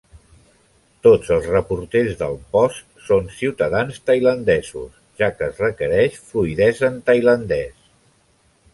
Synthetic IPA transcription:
t̪od͡zəlˠzrəpuɾt̪ezðəlˠpɔst̪sonsiwt̪əðanst̪əjlənd̪ɛzṵs | ʒakəːzrəkəɾɛʃfluiðɛzənt̪əjlənd̪ɛs

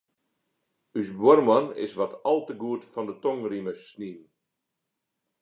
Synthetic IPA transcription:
ysbwɔrmɔnɪ̰sʋɔtʰɑlˠtəɡuətfɔndətɔŋriməsnin

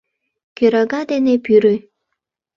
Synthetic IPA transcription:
køɾɑɡɑd̪enepyɾy

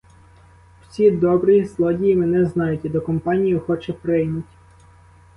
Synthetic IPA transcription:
w̥t͡sʲid̪ɔbɾizlˠɔdʲijimɪnɛznɑjʊtʲid̪ɔkɔmpɑnʲijʊxɔt͡ʃɛpɾɪjnʊtʲ

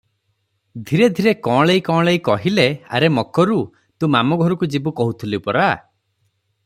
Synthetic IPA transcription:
d̪ʱiɾed̪ʱiɾekɔ̃ːɭejkɔ̃ːɭeikɔɦilea̰ɾemɔkʰɔɾu | t̪ũmamɔɡʱɔɾɔkud͡ʒibukɔɦut̪ʰulipɔɾa

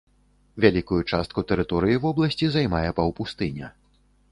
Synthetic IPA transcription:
vʲalʲikujut͡ʂast̪kut̪ɛɾɨt̪ɔɾɨjivɔblˠɐsʲt͡sʲizajmajɛpɐwpust̪ɨnʲɐ̰

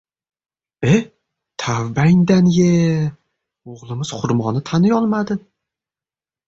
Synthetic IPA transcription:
e | t̪ʰavbaj̪d̪anje | oʁlˠɪmɪz̥qʰʊɾmɒnɪt̪ʰanɪjɒlˠmad̪ɪ

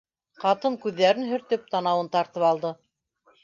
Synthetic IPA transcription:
qɑt̪ɤŋkʉðːæɾɘnɦɵ̆ɾt̪ɵp̚t̪ɑnɑwɤnt̪ɑɾt̪ɤpɑlˠd̪ɤ

